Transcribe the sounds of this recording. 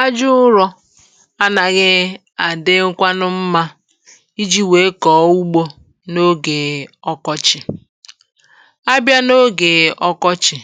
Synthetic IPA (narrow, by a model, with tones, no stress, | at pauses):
a˦d͡ʒʊ˦ʊ˦ɾɔ˦ | a˦na˨ɣɪ˦ | a˨dɪ˦ŋ̩˦kʷa˦nʊ˦m̩˦ma˦ | i˦d͡ʒi˦we˨˦kɔ˨˦u˦ɡ͡bo˦ | no˦ɡe˨ɔ˦kɔ˦t͡ʃɪ˨ | a˦bja˦no˦ɡe˨ɔ˦kɔ˦t͡ʃɪ˨